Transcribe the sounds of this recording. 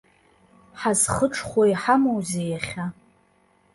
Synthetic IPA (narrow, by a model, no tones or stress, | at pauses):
ħazχəʈ͡ʂʰχʷajħamowzejaχʲa